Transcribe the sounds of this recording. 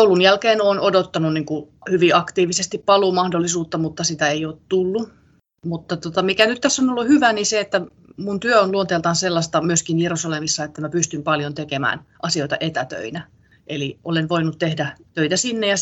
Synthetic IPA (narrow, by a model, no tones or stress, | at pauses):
oulunjælkeːnoːnodot̪ːɑnunniːŋkuhyʋiɑkt̪iːʋisest̪ippɑlumɑhdolːˑisuːt̪ːɑmut̪ːɑsit̪æeioːt̪t̪ulːu | mut̪ːɑt̪ot̪ɑmikænyt̪t̪æsːonolːuhyʋæniseet̪ːæ | munt̪yøonluont̪eːlt̪ɑnselːɑst̪ɑmyøskinjerusɑlemisːɑet̪ːæmæpyst̪ympɑljont̪ekemæ̰ːnʔɑsioit̪ɑ̰ʔet̪æt̪ø̰inæ | ʔeliʔolenʋoinut̪t̪ehdæt̪øit̪æsinːejɑ